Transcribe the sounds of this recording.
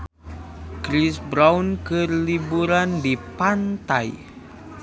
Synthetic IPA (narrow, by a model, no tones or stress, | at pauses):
kɾisbɾawnkɨrlibuɾandipant̪aj